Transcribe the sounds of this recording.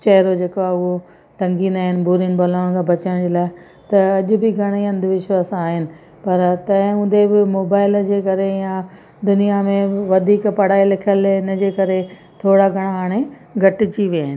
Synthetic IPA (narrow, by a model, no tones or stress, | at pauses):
t͡ɕɐɦɪɾod͡ʑeːkaʊɦo | ʈɐ̃ŋɡĩnd̪aːɦɪnɪ̆bʱuːɾinbɐlaːʊɽ̃kʰãːbʱɐt͡ɕãd͡ʑeːlaːɪ | t̪ɐɐʄʊbɪɡʱɐɽ̃iɐ̃nd̪ɪʋɪʃwaːsaːɦɪnɪ̆ | pɐɾt̪ɐ̃ɦɪ̃ʊ̃nd̪ebɪmoːbaːɪld͡ʑeːkɐɾejã | d̪ʊnijamẽʋɐd̪ʱiːkpɐɽ̤aːilɪkʰəlɪnəd͡ʑeːkɐɾe | t̪ʰoːɽaɡʱɐɽ̃aɦaːɽ̃e | ɡʱɐʈɪt͡ɕiʋiaːɦɪnɪ